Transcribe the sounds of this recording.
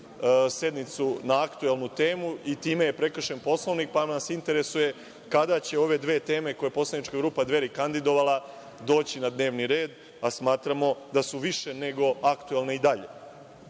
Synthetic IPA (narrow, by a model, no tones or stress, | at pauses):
se̞d̪nit̪sunaakt̪uelˠnut̪e̞ːmuit̪iːmejepɾe̞kr̩ʃe̞npo̞slˠoʋnik̚panasint̪e̞ɾe̞suje̞ | kad̪at͡ɕe̞o̞ʋe̞d̪ʋeːt̪e̞ːme̞ko̞jepo̞slˠanit͡ʃkaɡɾuːpad̪ʋe̞ɾikand̪id̪o̞ʋalˠa | d̪o̞ːt͡ɕinad̪ne̞ːʋniɾe̞ːd̪ | asmaːt̪ɾamo̞d̪asuʋiʃe̞ne̞ɡo̞akt̪uelˠneid̪aʎe̞̰